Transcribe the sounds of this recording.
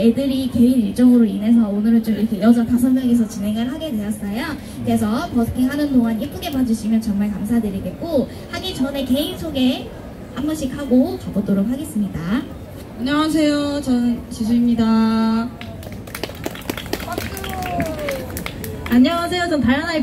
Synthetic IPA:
e̞dɯɾike̞iniɭt͡ɕ͈ʌŋɯɾoine̞s̬ʰʌonɯɾɯnt͡ɕ͈omiɾʌkʰe̞jʌd͡ʑʌntasʰʌnmjʌŋes̬ʰʌt͡ɕine̞ŋɯɭɦaɡe̞dwe̞jʌs͈ʌjo | kɯɾe̞s̬ʰʌpʌkʰeɦanɯnːoŋanip͈ʰuɡe̞pad͡ʑuɕʰimjʌnt͡ɕʌŋmaɭkamsʰadɯɾiɡe̞t̚k͈o | haɡit͡ɕʌne̞ke̞insʰoɡe̞ | hambʌɕʰik̚haɡot͡ɕʌbotoɾok̚haɡe̞s͈ɯmɲida | aɲʌŋas̬ʰe̞jot͡ɕʌnt͡ɕis̬ʰuimɲida | aɲʌŋas̬ʰe̞jot͡ɕʌntaɭːana

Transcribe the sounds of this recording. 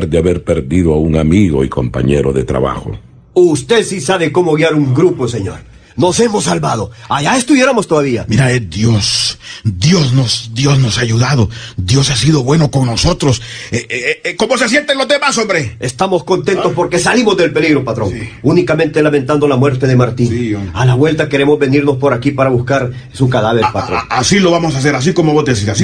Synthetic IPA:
ɾd̪eaβeɾpeɾðiðoauŋamiɣo̞̰iko̞̰mpa̰ɲḛɾo̰ðet̪ɾa̰βa̰xo̰ | ust̪e̞ðsisaβeko̞mo̞ɣjaɾuŋɡɾupos̬eɲo̞̰ɾ | no̞se̞mo̞s̬ːalβað̞o̞aʝaest̪uβje̞ɾamo̞st̪oðaβiamiɾaed̪josd̪josnosd̪jo̞zno̞saʝuðaðod̪jo̞sasiðo̞βwe̞no̞ko̞ŋno̞so̞t̪ɾo̞seko̞mo̞se̞s̬jent̪enlozdðemasombɾeest̪amo̞sko̞nt̪e̞nt̪o̞spo̞ɾke̞salimozðe̞lpe̞liɣɾo̞pat̪ɾo̞̰ŋunikamẽ̞nt̪e̞lament̪and̪o̞lamwe̞ɾt̪e̞ðemaɾt̪ialaβwe̞lt̪ake̞ɾe̞mo̞zβe̞niɾno̞spo̞ɾakipaɾaβuskaɾ | sukaðaβeɾpatɾoasilo̞βamosas̬e̞ɾas̬iko̞mo̞βozd̪es̬iɾasi

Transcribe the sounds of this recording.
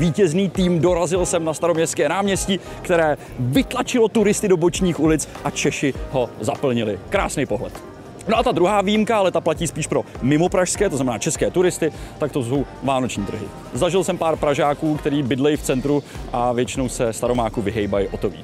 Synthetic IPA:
viːcɛzniːt̪iːmdo̞ɾazɪlsɛmnast̪aɾomɲɛstkɛːnaːmɲɛsci | kt̪ɛɾɛː | vɪt̪lat͡ʃɪlo̞t̪uɾɪst̪ɪdo̞bot͡ʃɲiːxulɪt͡sʔat͡ʃɛʃɪɦo̞zapl̩ɲɪlɪkɾa̰ːsnɛjpo̞ɦlɛ̰t̪ | noʔat̪ad̪ɾuɦaːvijimkaalɛt̪aplaciːspiːʃpɾo̞mɪmo̞pɾaʃskɛːt̪oznamɛnaːt͡ʃɛskɛːt̪uɾɪst̪ɪt̪ak̚t̪oso̞w | vaːno̞t͡ʃɲiːt̪r̩ɦɪ̰ | zaʒɪlsɛmpaːɾpɾaʒaːkuːkt̪ɛɾiːbɪdlɛjɪft͡sɛnt̪ɾuʔavjɛt͡ʃɪno̞wsɛst̪aɾo̞maːkuvɪɦɛjbajɪʔot̪ovḭː

